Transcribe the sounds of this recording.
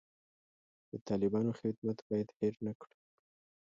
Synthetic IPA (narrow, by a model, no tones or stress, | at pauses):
d̪̥ət̪ɑlɪbɑnoxɪd̪mat̪bɑjad̪hɪɾnakɽu